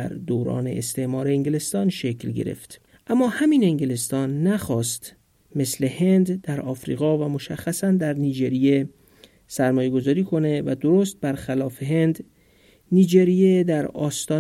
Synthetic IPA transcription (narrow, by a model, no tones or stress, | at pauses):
æɾd̪oːɾɒ̰ːne̞̰est̪e̞ʔmɒːɾe̞eŋɡele̞st̪ɒːnʃe̞klɟḛɾḛft̪ | ʔæmːɒːhæmiːneŋɟelest̪ɒːnːæxɒːst̪ | me̞sle̞he̞nd̪d̪̥æɾɒːfɾḭɣɒːvæmo̞ʃæxːæsænd̪æɾniːd͡ʒeɾije | sæɾmɒːje̞ɡo̞zɒːɾiːkʰo̞ne̞væd̪oɾost̪̚bæɾxælɒːfe̞ɦe̞nd̪ | niːd͡ʒeɾijed̪æɾɒːst̪ɒː